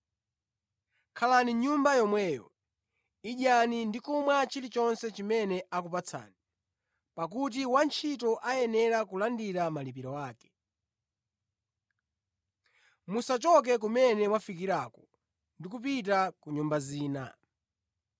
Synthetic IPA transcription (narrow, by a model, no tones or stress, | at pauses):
kʰalaniɲumbajɔmwɛːjɔ̰ | iʄanindikumwat͡ʃilit͡ʃɔnsɛt͡ʃimɛnɛʔakupat͡sʰa̰ːni | pakut̬iwant͡ʃʰitɔʔajɛnɛɾakulandiɾamalip̬iɾɔwaːkɛ̥ | musat͡ʃɔk̬ɛk̬umɛnɛmwafikiɾaːkɔ̥ | ndik̬up̬it̬akuɲumbaziːna̰